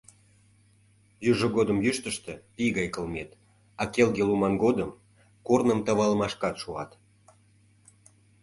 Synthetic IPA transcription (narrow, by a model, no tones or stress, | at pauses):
jyʒəɣod̪əmjyʃt̪əʃt̪ĕpiɣɑjkəlmet̪ | ɑkelɡelumɑnɡod̪əm | kornəmt̪ɑβɑləmɑʃkɑt̪ʃuɑt̪